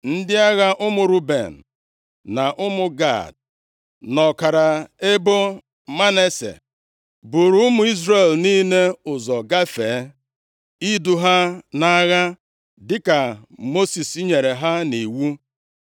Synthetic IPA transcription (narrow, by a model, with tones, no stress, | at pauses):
n̩˦dɪ˦a˦ɣa˦ʔʊ˦mʊ˨ɾu˦bḛ˨n̩˨ | na˨ʔʊ˦mʊ˨ɡa̰˦˨d̚ | nɔ˨ka˨ɾa˨e˦bo˦ | ma˦ne˦sḛ˨ | bu˨ɾu˦ʊ˦mʊ˨i˦zɾe˨lni˦ne˦ʊ˨zɔ˨ɡa˦feː˨˦ | i˦du˨ɦa˦na˦ɣa˦ | dɪ˦ka˨mo˦si˨si˦ɲe˨ɾe˨ɦa˦ni˨wu˦